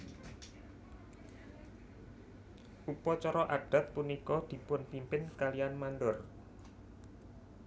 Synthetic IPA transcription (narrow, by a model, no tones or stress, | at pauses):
ʔupɔt͡ʃɔɾɔʔaɖ̥a̤t̪̚punikɔd̪̥i̤pʊnpimpɪnkalijanmanɖɔr